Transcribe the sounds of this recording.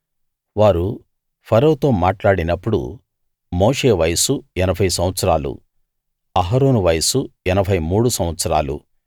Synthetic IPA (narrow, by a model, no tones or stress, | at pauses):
ʋaːɾu | pʰɐɾowut̪o̞ːmaːʈlaːɽinɐpːuɽṵ | mo̞ːʂe̞ːʋɐjɐsuɛnɐbʱɐjsɐ̃mʋɐt̪sɐɾaːlṵ | ɐɦaːɾoːnuʋɐjɐsuɛnɐbʱɐjmuːɽusɐ̃m̃ʋɐt̪sɐɾa̰ːlṵ